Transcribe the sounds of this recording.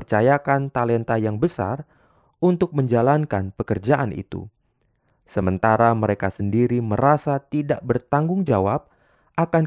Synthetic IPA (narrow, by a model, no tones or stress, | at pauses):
rt͡ʃajakant̪alɛnt̪ajaŋbəsa̰r | unt̪ʊk̚məɲd͡ʒalankanpəkərd͡ʒaʔanʔḭt̪ṵ | səmənt̪aɾaməɾekasəndiɾiməɾasat̪idaʔbərt̪aŋɡʊŋd͡ʒawap̚ | ʔakan